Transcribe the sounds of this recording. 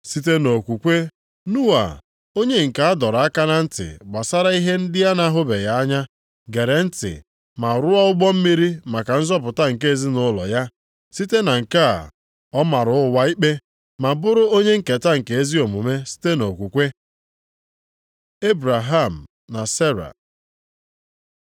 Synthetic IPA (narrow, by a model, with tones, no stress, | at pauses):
si˦t̬e˦no˨kʷu˨kʷe˦ | nu˦a̰˨ | o˦ɲe˦ŋ̩˨ka˨a˦dɔ˨ɾa˦ka˦na˦n̩˦tɪ̰˨ɡ͡ba˨sa˦ɾa˦i˦ɦe˦n̩˦dɪ˦ja˦na˦ɦʊ˦be˨ja˦a˦ɲa˦ | ɡe˨ɾe˨n̩˦tɪ̰˨ | ma˨ɾʊ˦a˦ʊ˦ɡ͡bɔ˦m̩˦mi˦ɾi˦ma˨ka˨n̩˦zɔ˦p̬ʊ˨ta˦ŋ̩˨ke˦e˦zi˦nʊ˦lɔ̰˨ja˦ | si˦te˦na˨ŋ̩˨ka˦˨ | ɔ˦ma˨ɾʊ˦ʊ˦wa˦i˦k͡pe˦ | ma˨bʊ˦ɾʊ˦o˦ɲe˦ŋ̩˦˨ke˨ta˦ŋ̩˨ke˨e˦zi˦o˨mʊ˨me˦si̥˦te˦no˨kʷu˨kʷe˦ | e˦bɾa˨ɦa˦˨m̩˨ | na˨se˦ɾa̰˨